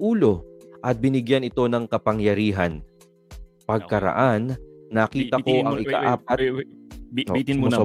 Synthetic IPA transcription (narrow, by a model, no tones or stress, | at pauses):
ʔuːlo̞ʔɐt̪̚bɪnɪɡjanɪt̪o̞nɐŋkɐpɐŋjɐɾiːɦɐn | pɐɡ̚kɐɾɐ̰ʔanːɐkiːt̪ɐko̞ʔʔɐŋɪka̰ʔaːp̚ɐt̪̚ | ɪm